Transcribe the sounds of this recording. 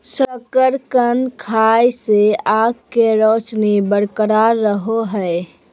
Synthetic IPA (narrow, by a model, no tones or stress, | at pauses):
səkəɾkənd̪kʰajseaɡkːeɾoːt͡ʃnebəɽkəɾaɾːəɦoɦɛe